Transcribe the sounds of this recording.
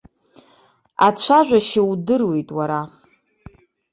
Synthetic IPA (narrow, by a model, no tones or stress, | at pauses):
at͡ɕʷʰaʒᶣʷaʃɪwdɨrwejtʼwaɾa